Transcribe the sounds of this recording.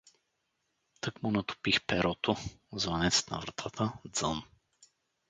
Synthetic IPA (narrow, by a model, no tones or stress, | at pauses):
t̪əkmʊnɐt̪ʊ̥pixpɛɾɔt̪ʊzvɐnɛt̪st̪nɐ̰vɾɐt̪ʰat̪ʰəd̪zən